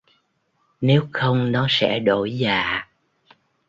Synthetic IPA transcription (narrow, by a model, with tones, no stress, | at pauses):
ne˨˦wxə˧wŋ͡mnɔ˨˦sɛ̰˧˥ɗo˧˩˨jzaː˨˩˨